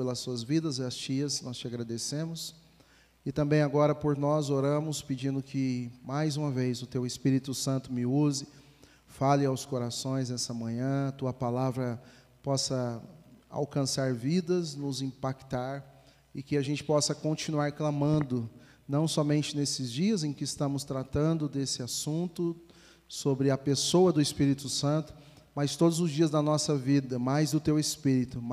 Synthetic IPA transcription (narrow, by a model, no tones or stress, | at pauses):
pelɐsuɐzvid̪ɐzɛɐst͡ʃiɐsnɔst͡ʃɪaɡɾad̪esẽmʊs | ɪt̪ɐ̃mbẽj̃aɡɔɾɐpoɾnɔzoɾɐ̃mʊspɪd͡ʒĩnd̪ʊkʰɪmajzũmɐvejzʊt̪ewɪspiɾit̪ʊsɐ̃nt̪ʊmɪuzɪ | falɪawskoɾasõj̃znɛsɐmɐ̃ɲɐ̃at̪uɐpalavɾɐ | pɔsɐ | a̰wkɐ̃saɾvid̪ɐznʊzĩpakt̪aɾ | ɪkɪaʒẽnt͡ʃɪ̥pɔsɐkõnt͡ʃinuaɾklɐ̃mɐ̃nd̪ʊnɐ̃w̃sɔmẽnt͡ʃɪnesɪzd͡ʒiɐzẽj̃kɪːst̪ɐ̃mʊst̪ɾat̪ɐ̃nd̪ʊd̪esɪasũnt̪ʊ | sobɾɪɐpesowɐd̪ʊɪspiɾit̪ʊsɐ̃nt̪ʊ̥ | majst̪od̪ʊzʊzd͡ʒiɐzd̪ɐnɔsɐvid̪ɐmajzd̪ʊt̪ewespiɾit̪ʊ